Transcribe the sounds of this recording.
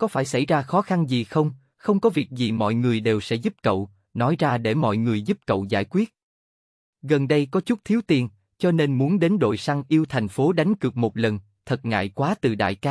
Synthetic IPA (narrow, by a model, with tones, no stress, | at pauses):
kɔ˨˦faː˧˩jsa˧˩jzaː˧xɔ˨˦xa˧nzi˨˩xə˧wŋ͡m | xə˧wŋ͡mkɔ˨˦vi˨˩ək̚zi˨˩mɔ̰˧˨jŋɨ˨˩əjɗe˨˩wsɛ̰˧˥zu˦˥p̚kə̰˧˨w | nɔ˨˦jzaː˧ɗe˧˩mɔ̰˧˨jŋɨ˨˩əjzu˦˥p̚kə̰˧˨wza̰ː˧˩jkwi˦˥ət̚ | ɣə˨˩nɗə˧jkɔ˨˦t͡ɕʊ˦˥k͡p̚t̪ʰi˨˦wt̪i˨˩ən | t͡ɕɔ˧ne˧nmu˨˦ənɗe˨˦nɗo̰˧˨jsa˧ŋʔi˧əwt̪ʰɛ˨˩jŋ̟fo˨˦ɗa˨˦ŋ̟kɨ˨˩ək̚mo˨˩t̚lə˨˩n | t̪ʰə˨˩t̚ŋa̰ː˧˨jkwaː˨˦t̪ɨ˨˩ɗa̰ː˧˨jkaː˨˦˥